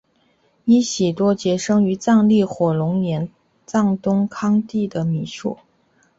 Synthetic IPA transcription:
i˧˥ɕi˨˩t̪wɔ˥t͡ɕjɛ˧˥ʂɤ˥ŋy˧˥t͡sɑ˥˧ŋli˥˩xwɔ˨˩lʊ˧˥ŋnjɛ˧˥n | t͡sɑ˥˩ŋt̪ʊ˥ŋkʰɑ˥ŋt̪i˥˩d̪ə˩mi˨˩ʂṵ˥˩

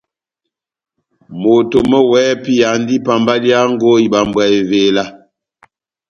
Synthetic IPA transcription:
mo˨to˨mə˦wɛː˨˦pi˦ja˨n˦di˦pa˨mba˦li˦a˦ŋ˦ɡo˦i˨ɓa˨mbwa˨e˨veː˨la˦

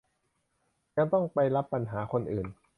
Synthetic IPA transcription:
ja˧ŋt̪ɔ˥˩ŋpa˧jla˦˥pːa˧nɦaː˩˦kʰo˧nʔɯː˨˩n

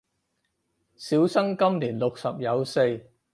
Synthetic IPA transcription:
siː˨˥wsɐ˥ŋkɐ˥mliː˨˩nlo˨k̚sɐ˨p̚jɐ˨˧wse˧j

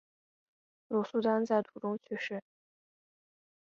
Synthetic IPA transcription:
lɔ˨˩su˥˧t̪a˥nt͡sa˥˩ɪt̪ʰu˨˩ʈ͡ʂʊ˥ŋt͡ɕʰy˥˧ʂɻ̩˥˩

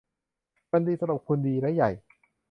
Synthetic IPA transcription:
ba˧ndiː˧sa˧ɾa˨˩p̚kʰu˧ndiː˧ɾa˦˥ja˨˩j

